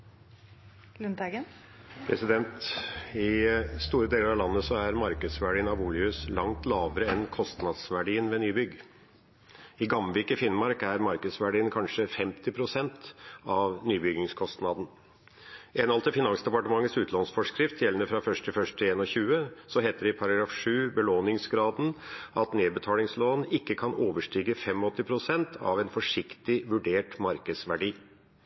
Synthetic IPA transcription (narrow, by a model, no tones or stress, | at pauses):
lʉnd̪ɑɡən | pʰɾɛsɪd̪ɛnt̪ɪst̪uːɾəd̪eːləɾɑʋlɑnːəsɔæɾmɑɾkəd̪sʋæɖiːnɑʋuːlɪʉslɑŋt̪lɑːʋəɾəɛnkʰɔst̪nɑd̪sʋæɖiːənmɛnyːbʏɡ | ɪɡɑmʋɪkəfɪnmɑɾkæɾmɑɾkəd̪sʋæɖiːənkʰɑnʂəfɛmt̪ɪpʰɾʊsɛnt̪ɑʋnyːbʏɡɪŋskʰɔst̪nɑd̪n̩ | ʔɛnɑlt̪əfɪnɑnsd̪ɛpɑʈəmɑŋːət̪sʉːt̪ʰlɑnsfɔʂkɾɪft̪jɛlənəfɾɑfœʂʈʰɪlfœʂʈ̪ʰɪleːnɔçʉːəsɔɦeːt̪əɖɪpʰɑɾɑɡɾɑːfʂʉːbəloːnɪŋsɡɾɑːd̪n̩ɑt̪neːd̪bət̪ʰɑːlɪŋsloːnɪkːəkʰɑnoːʋəʂʈyːɡəfɛmɔɔt̪ːɪpʰɾʊsɛnt̪ʰɑ̰ʋɛnfɔʂɪkt̪ɪʋʉɖeːʈmɑɾkəd̪sʋæɖiː